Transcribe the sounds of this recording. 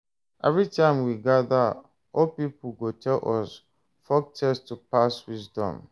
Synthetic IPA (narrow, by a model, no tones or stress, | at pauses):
ʔɛvɹitʰãɪ̃mwiɡada | ɔlpipuɡotʰɛlʔɔs | fɔk̚tʰɛstupaswisdɔ̰̃m